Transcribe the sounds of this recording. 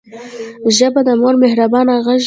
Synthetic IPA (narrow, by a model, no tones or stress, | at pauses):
ʒəbad̪əmoɾmɪhɾabɑnaɣaʒ